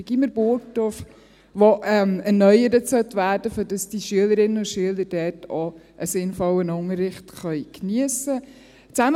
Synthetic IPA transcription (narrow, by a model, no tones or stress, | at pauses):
ɡ̥iməɾb̥ʊɾtof | ʋoʔɛmɛnœʏəɾətsœt̪ʋæːɾd̥əføɾdɑsd̥iʃyələɾɪnːəʊʃyələɾdɛːtɔ | ʔəsɪnfɔwənʊŋəɾːɪχtχœʏkniəsə | t͡sæm